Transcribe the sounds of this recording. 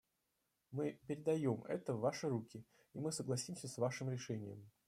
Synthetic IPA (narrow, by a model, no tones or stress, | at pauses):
mɨpʲɪɾʲɪd̪ɐjo̞mɛ̰t̪əvaʂɨɾukʲɪ | imɨsəɡlˠɐsʲimsʲəsvaʂɨmɾʲɪʂɛnʲɪjəm